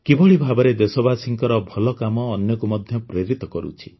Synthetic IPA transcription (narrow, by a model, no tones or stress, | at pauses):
kibɔɭibʱabɔɾed̪esɔbasiŋkɔɾɔbʱɔlɔkamɔːnjɔkumɔd̪ʱjɔpɾeɾit̪ɔkɔɾṵt͡ʃʰi̥